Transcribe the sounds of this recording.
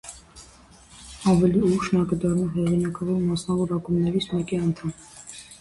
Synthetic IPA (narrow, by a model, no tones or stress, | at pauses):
ɑvɛliuʃnɑkəd̪ɑrnuɦɛʁinɑkɑvɔɾmɑsnɑvɔɾɑkumnɛɾit͡sʰmɛkiɑnt̪ʰɑm